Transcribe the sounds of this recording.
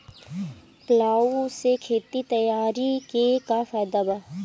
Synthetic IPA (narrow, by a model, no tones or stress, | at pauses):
plaːusekʰeːt̪it̪ɐjaːɾikekafɛːd̪aba